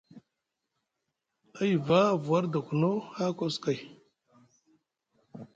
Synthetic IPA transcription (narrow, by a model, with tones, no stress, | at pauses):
a˦i˨va˦˨vu˨wa˦ɾda˨kʷu˨no˦ha˦ko˦ska˨j